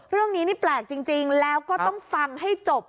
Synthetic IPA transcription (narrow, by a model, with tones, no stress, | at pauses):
ɾɯ˥˩əŋniː˦˥niː˥˩plɛː˨˩k̚t͡ɕi˧ŋt͡ɕi˧ŋlɛː˦˥wkɔː˥˩t̪ɔ˥˩ŋfa˧ŋha˥˩jt͡ɕo˨˩p̚